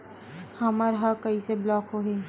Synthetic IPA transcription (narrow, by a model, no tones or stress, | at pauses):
hɐməɾɦɐkɐiseblɔːkɦoɦeː